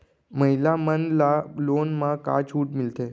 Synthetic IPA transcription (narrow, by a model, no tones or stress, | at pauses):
məɦilamənlalonmãka̰t͡ʃʰuʈmɪlt̪e